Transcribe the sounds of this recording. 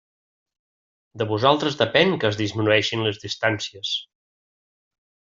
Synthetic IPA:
d̪əβuzalˠt̪ɾəzðəpɛŋkəːzðizminuɛʃinləzðist̪ansiəs

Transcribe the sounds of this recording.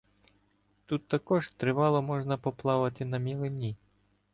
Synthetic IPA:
t̪ut̪ːɐkɔʒt̪ɾɪʋɑlˠɔmɔʐnɐpɔplˠɑʋɐt̪ɪnɐmʲilˠɪnʲi

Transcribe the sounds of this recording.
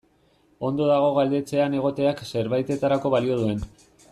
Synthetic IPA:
o̞nd̪o̞ðaɣ̞o̞ɣald̪e̞t͡se̞ane̞ɣ̞o̞t̪e̞akse̞ɾβajt̪e̞t̪aɾako̞βalio̞ðue̞n

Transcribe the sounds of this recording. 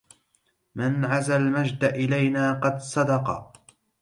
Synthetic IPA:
mɪnʕazalmad͡ʒd̪aʔɪlajnaːqɑd̪sˤɑd̪ɑqɑ̰

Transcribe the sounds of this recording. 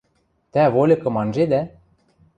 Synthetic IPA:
t̪æβolʲɤ̆kɤ̆mɑnʒed̪æ

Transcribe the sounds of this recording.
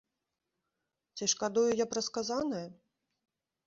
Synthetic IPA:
t͡sʲiʂkad̪ujujapɾɐskazanɐjɐ

